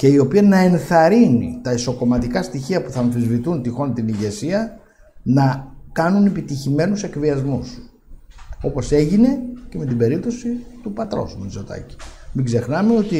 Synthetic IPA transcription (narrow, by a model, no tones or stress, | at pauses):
ce̞io̞piɐnɐe̞nθɐɾinḭt̪ɐiso̞ko̞mɐt̪ikɐst̪içiɐpuθɐːɱθizvit̪unt̪ixo̞nt̪iniʝe̞siɐ | nɐkɐnunepit̪içime̞nuse̞kviɐzmus | o̞po̞se̞ʝine̞ce̞me̞t̪ibe̞ɾip̚t̪o̞sit̪upɐt̪ɾo̞̰smuizo̞t̪ɐ̰ci̥miɡze̞xnɐme̞o̞t̪i